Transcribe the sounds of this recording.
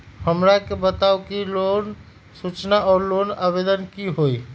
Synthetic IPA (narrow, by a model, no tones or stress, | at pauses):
həmɾakebət̪aukilon | sut͡ʃnaɔːɾlonabed̪ənkiɦoj